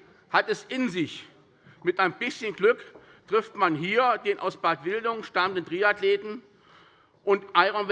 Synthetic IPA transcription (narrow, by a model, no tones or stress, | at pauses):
hatɛsɪnzɪç | mɪtaɪnəbɪsçənɡlʏk | tʁ̥ɪftmanɦiːɐdeːnʔa̰ʊsb̥aːtv̥ɪldʊŋʃtaməndəntʁiːatleːtn̩ | ʔʊntʔaɪʁaʊnv